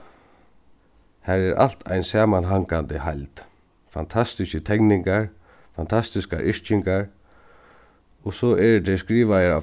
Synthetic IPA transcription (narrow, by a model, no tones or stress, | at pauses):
hæɹɛɾʔa̰l̥t̪ʰa̰jnsaːmanɦaŋkant̪ɪhajlt̪ | fant̪ʰast̪ɪskət̪ʰɛknɪŋkaɹ | fant̪ʰast̪ɪska̰ʔɪɹt͡ʃɪŋkaɹ | ɔsɔʔɛɾt̪ʰɛɹskɾiːʋajəɹa̰